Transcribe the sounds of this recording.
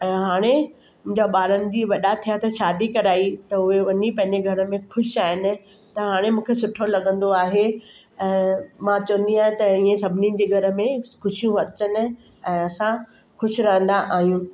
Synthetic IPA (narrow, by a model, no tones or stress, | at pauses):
ɛ̃ːɦaːɽ̃e | mʊ̃ɦɪ̃ɲd͡ʑaɓaːɾənɪ̆d͡ʑiːʋɐɗat̪ʰijat̪ɐʃaːd̪ikɐɾaːit̪ɐʊɦeʋɐɲipɐ̃ɦɪ̃ɲd͡ʑeɡʱɐɾə̆mẽxʊʃaːɦɪnɪ̆ | t̪ɐɦaːɽ̃emũːkʰesʊʈʰolɐɠə̃nd̪oaːɦe | ɛ̃ːmãt͡ɕɐʋə̃nd̪iaːɦẽt̪ɐiːẽsɐbʱɪnid͡ʑeːɡʱɐɾə̆mẽxʊʃijũɐt͡ɕənɪ̆ | ɛ̃ːɐsã | xʊʃɪɾɐɦə̃nd̪aʔaːɦijũ